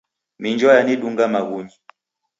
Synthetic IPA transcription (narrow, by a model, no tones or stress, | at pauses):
miɲd͡ʒɔjaniɗuŋɡamaɣuɲi